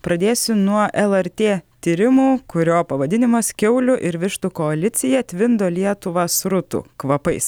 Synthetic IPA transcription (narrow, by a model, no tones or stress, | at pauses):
pɾɐd̪ʲeːsʲʊnuɔʔɛlˠɛɾʲt̪ʲeːt̪ʲiːɾʲɪmuːkʊɾʲoːpɐʋɐd̪ʲɪnʲɪmɐskʲɛʊlʲʊʔɪɾʋʲɪʃt̪ukɔɐlʲɪt̪sʲɪjɛt̪ʲʋʲɪnd̪oːlʲiɛt̪ʊʋɐsɾʊt̪ṵːkʋɐpɐɪs